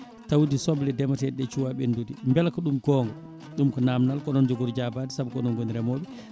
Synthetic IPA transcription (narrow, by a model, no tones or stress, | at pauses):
tawudisɔblɛdɛmatɛɗɛt͡ʃuwaɓendudimbɛlkɔɗumɡɔŋɡɔ | ɗumkɔnamnalkɔnɔnd͡ʒoɡuɾd͡ʒabaːdisabkɔnɔnɡoniɾɛmoɓɛ